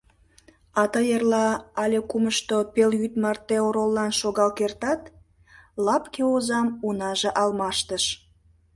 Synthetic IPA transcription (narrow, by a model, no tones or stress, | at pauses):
ɑt̪əjərlɑɑlʲekuməʃt̪opeljyt̪mɑrt̪eoɾolːɑnʃoɣɑlkert̪ɑt̪ | lɑpkeozɑmunɑʒeʔɑlmɑʃt̪əʃ